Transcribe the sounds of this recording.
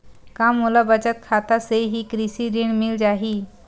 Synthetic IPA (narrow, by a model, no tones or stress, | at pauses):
kamːulabət͡ɕət̪̚kʰat̪aseɦiːkɾisiɾiɳmild͡ʑaɦiː